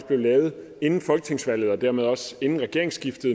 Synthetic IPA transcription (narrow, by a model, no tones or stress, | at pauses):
sb̥le̝ʊlɛːʊð̩ˠ | e̝nn̩fɒ̽lɡ̥ət͡sʰe̝ŋsʋæl̰ð̩ˠɒ̽d̥æɐ̰með̞ˠɒ̽se̝nn̩ʁɛɡ̥e̝ɐ̰e̝ŋsɡ̥ifd̥ð̩ˠ